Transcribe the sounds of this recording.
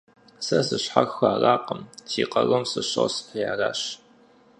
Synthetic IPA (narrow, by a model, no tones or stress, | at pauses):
sɐsɨɕħaxxʷaːraːqəmtʰiːqɐɣɐmsɨɕosjaːraːɕ